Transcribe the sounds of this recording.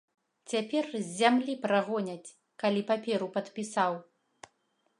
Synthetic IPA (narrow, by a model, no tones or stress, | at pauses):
t͡sʲapʲɛrzʲːamlʲipɾaɣɔnʲɐt͡sʲ | kalʲipapʲɛɾupɐt̪pʲisaw